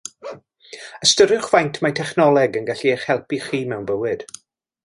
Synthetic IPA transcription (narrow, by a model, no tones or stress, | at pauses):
əstəɾɨχvajntʰmajtʰɛχnɔlˠɛɡənɡaɬieχhɛlˠpiχiːmɛwnbəwɨd̥